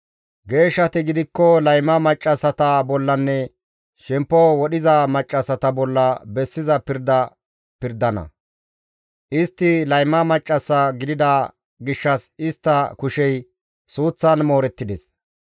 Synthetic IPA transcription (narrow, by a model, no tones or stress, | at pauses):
ɡe̞ːʃːɐt̪ɪɡɪd̪ɪkːɔlɐjmɐmɐt͡ʃʼːɐsɐt̪ɐbɔlːɐnːɛ | ʃɛmpːɔwɔɗɪzɐmɐt͡ʃʼːɐsɐt̪ɐbɔlːɐbɛsːɪzɐpɪɾd̪ɐ | pɪɾd̪ɐnɐ̰ | ʔɪst̪ːɪlɐjmːɐmɐt͡ʃʼːɐsːɐɡɪd̪ɪd̪ɐ | ɡɪʃːɐsɪst̪ːɐkʊʃɛj | suːt͡sːɐnmo̞ːɾɛt̪ːɪd̪ɛs